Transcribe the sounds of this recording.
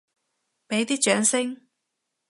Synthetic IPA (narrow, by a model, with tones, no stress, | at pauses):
pe˨˥jt̪iː˥k̚t͡ʃœː˨˥ŋsɪ˥ŋ